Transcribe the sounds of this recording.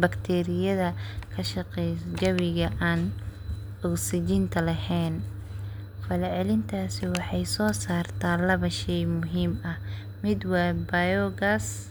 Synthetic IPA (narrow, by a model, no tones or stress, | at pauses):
bɐkt̪ʰɛːɾɪjɐðɐkʰɐʃɐqɛjsd͡ʒɐβɪɣɐʔaːn | ʊɡsɪd͡ʒɪnt̪ʰɐlɐɦɛːn | fɐlɛʕɛlɪnt̪ʰaːsɪwɑħɑjsɔːsaːrt̪ʰaːlɐβɐʃɛjmʊɦiːmɐh | mɪd̪wɐbɐjɔɣas